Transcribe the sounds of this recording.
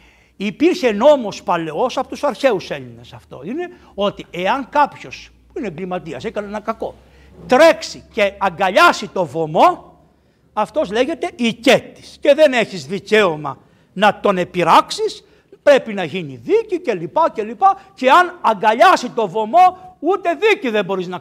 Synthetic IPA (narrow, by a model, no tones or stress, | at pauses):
ipiɾçe̞no̞mo̞spɐle̞osɐpo̞t̪usɐɾçe̞use̞ʎinesɐft̪o̞̰ine̞ | o̞t̪ieɐŋkɐpço̞s | puineŋɡlimɐt̪iɐsekɐneenɐkɐko̞ | t̪ɾe̞ksiceɐŋɡɐʎɐsit̪o̞vo̞mo̞ | ɐft̪o̞zleʝe̞t̪e̞ʔice̞t̪ːi̥sce̞ðe̞ne̞çizðice̞o̞mɐ̰ | nɐt̪o̞ne̞piɾɐksis | pɾe̞pinɐʝiniðicice̞lipɐce̞lipɐce̞ɐnɐŋɡɐʎɐsit̪o̞vo̞mo̞ut̪e̞ðiciðe̞mbo̞ɾiznɐ